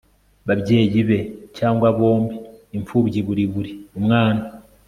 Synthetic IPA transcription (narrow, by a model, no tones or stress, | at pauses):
βaβɟe̞ːɟiβe̞caːŋɡwaβo̞ːmbiːɱfuːβɟiβuɾiβuɾiomŋaːna